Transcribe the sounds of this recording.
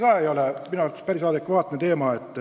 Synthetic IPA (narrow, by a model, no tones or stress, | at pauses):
kɑːejo̞lɛminuɑrt̪ɑ̥spæɾisɑːd̪ekːʋɑːt̪ːnet̪e̞ːmɑet̪ːˑ